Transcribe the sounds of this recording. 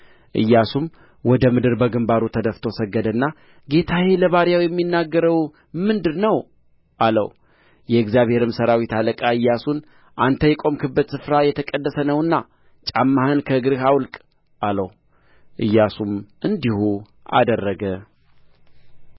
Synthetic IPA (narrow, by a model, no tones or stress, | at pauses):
ʔɨjːasum | wɔd̪əmɨd̪ɨɾbəɡɨmbaɾut̪ʰəd̪əft̪ʰo̞səɡːəd̪ənːa | ɡe̞t̪ʰajeləβaɾjawjɛmːinːaɡːəɾəw | mɨnd̪ɨɾnəw | ʔalə̰w | jɛɨɡzjaβhe̞ɾɨmsəɾawit̪ʰaləkʼaɨjːasun | ʔant̪ʰəjɛkʼo̞mkʰɨbːət̪sɨfɾajɛt̪ʰəkʼədːəsənəwɨnːa | t͡ʃʼamːahɨnkʰəɡɨɾhawlkʼ | ʔalə̰w | ʔɨjːasumʔɨnd̪ihu | ʔa̰d̪ərːəɡə